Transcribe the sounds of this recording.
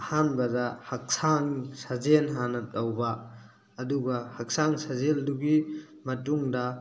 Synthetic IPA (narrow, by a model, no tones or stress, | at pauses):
ɐhanbɐdɐhɐk̚saŋsɐzenɦanɐtɐwbɐː | duɡɐhɐk̚saŋsazelduɡi | mɐtuŋdɐ